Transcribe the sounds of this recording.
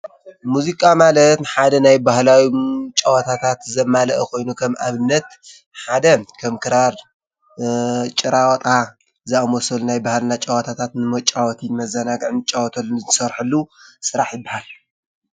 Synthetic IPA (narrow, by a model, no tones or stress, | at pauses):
muzikʼamalɐt̪nħad̪ɐnajbahlawit͡ʃʼawɐt̪ʰat̪ʰat̪zɐmːalɐʔɐkʰo̞jnukʰɐmaβɨnːɐt̪ | ħad̪ɐkʰɐmkʰɨɾaɾ | t͡ʃʼɨɾawt̪ʼa | zɨamɔsɐlunajbahalnat͡ʃʼawɐt̪ʰat̪ʰat̪nɨmɐt͡ʃʼawɔt̪ʰimɐzɐnaɡɨʕnɨt͡ʃʼawɔt̪ʰɐlɨzɨsɐɾħɨlːusɨɾaħjɪbːahal